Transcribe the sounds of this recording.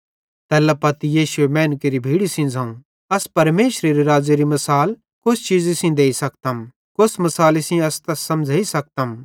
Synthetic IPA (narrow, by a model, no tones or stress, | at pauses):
t̪ɛːlɐpɐt̪ijiːʃuemɛ̃ːnkeɾibʱiːɽisĩd͡zʱãːũ | ɐspɐɾmeːʃɾeɾiɾaːd͡ʒɐɾimɐsaːl | kʊst͡ʃiːd͡zɪsĩd̪eːisɐk̚t̪ɐm | kʊsmɐsaːlɪsĩɐst̪ɐsɐ̃md͡ʒʱaisɐk̚t̪ɐm